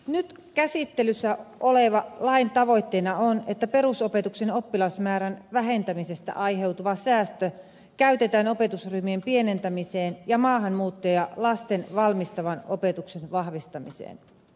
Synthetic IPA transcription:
nyt̪ | kæsit̪ːelysːæʔoleʋɑlɑint̪ɑʋo̞jt̪ːeːnɑonet̪ːæpe̞ɾusope̞t̪ukseno̞pːilɑsmæːɾænʋæɦe̞nt̪æmisest̪æ̰ʔɑjɦe̞wt̪uʋɑsæːst̪ø | kæyt̪e̞t̪æːnope̞t̪usryhmiempie̞nent̪æmiseːnjɑmɑːɦɑnmuːt̪ːojɑlɑst̪enʋɑlmist̪ɑʋɑno̞pe̞t̪uksenʋɑhʋist̪ɑmisḛːn

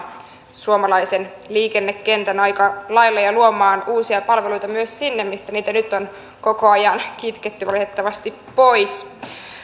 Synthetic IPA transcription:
suomɑlɑjsen | liːke̞nːekːent̪ænɑjkɑlɑjlːɑjɑluomɑːnuːsiɑpɑlʋelujt̪ɑmyøssinːemmist̪æniːt̪ænyt̪ːon | ko̞ko̞ɑjɑnkit̪ket̪ːyʋɑlit̪et̪ːɑʋɑst̪ipːo̞js

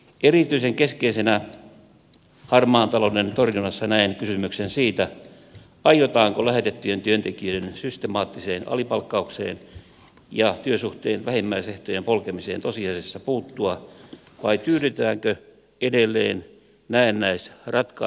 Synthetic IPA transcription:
erit̪yiseŋkeskeisenæ | hɑrmɑːnt̪ɑlonent̪orjunɑsːɑnæinkysymyksensiːt̪æ | ɑjot̪ɑːŋkolæhet̪et̪ːyjent̪yønt̪ekiøensyst̪emɑːt̪ːiseːnɑ̰lipɑlkːɑuksḛːn | jɑt̪yøsuht̪eːnʋæhemːæiseht̪ojempolkemisḛːnt̪osiɑsesːɑpuːt̪ːuɑ | ʋɑit̪yːdyt̪æːŋkø | edelːḛːn | næinnæisrɑt̪kɑ

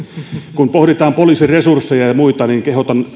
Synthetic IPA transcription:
kumpohɾit̪ɑːmpoliːsiresursːejɑjɑmuit̪ɑniːŋkehot̪ɑn

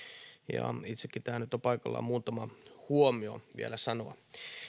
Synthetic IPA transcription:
jɑ̰it̪sekːit̪æːnyt̪ːopɑikɑlːɑ̰muːt̪ɑmɑhuomioʋḭælæsɑnoɑ

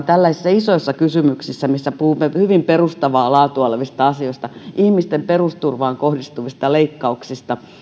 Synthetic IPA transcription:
t̪ælːæsisːæisoisːɑkysymyksisːæmisːæpuhumːehyʋimperust̪ɑʋɑːlɑːt̪uɑlʋist̪ɑɑsioist̪ɑʔihmist̪emperust̪urʋɑːŋkohdist̪uʋist̪ɑleikːɑuksist̪ɑ

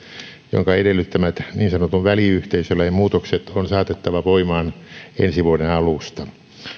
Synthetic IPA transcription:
jo̰ŋkɑedelːyt̪ːæmæt̪niːnsɑnot̪uʋʋæliyht̪eisølːæjɑmuːt̪okset̪onsɑːt̪et̪ːɑʋɑʋoimɑːnḛnsiʋuodenɑlust̪ɑ

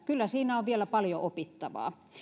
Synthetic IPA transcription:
kylːæsiːnæoʋʋielæpɑljoʔopit̪ːɑʋɑ̰ː

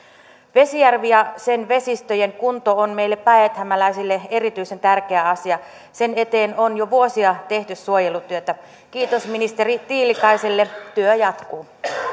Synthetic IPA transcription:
ʋe̞sijærʋiɑsenʋe̞sist̪øjeŋkunt̪oonmeilːeppæet̪hæmælæisilːeerit̪yise̞nt̪ærkeæɑsiɑ | sene̞t̪eːnonjoʋuosiɑt̪e̞ht̪yssuojelut̪yøt̪æ | kiːt̪osminist̪erit̪iːlikɑiselːet̪yøjɑt̪kuː

